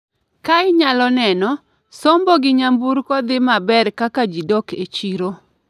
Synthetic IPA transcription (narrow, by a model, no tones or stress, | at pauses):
kaɪɲalɔnɛnɔ | somboɡɪɲambuɾkɔd̪ɪmabɛrkakad͡ʒidɔket͡ʃiɾo